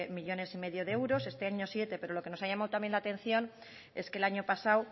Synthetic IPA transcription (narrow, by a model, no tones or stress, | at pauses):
miʎo̞ne̞sime̞ðjo̞ðeewɾo̞se̞st̪e̞aɲo̞sje̞t̪epe̞ɾo̞lo̞ke̞no̞saʝamawt̪ambje̞nlat̪ẽ̞n̟θjo̞n | e̞ske̞laɲo̞pasaw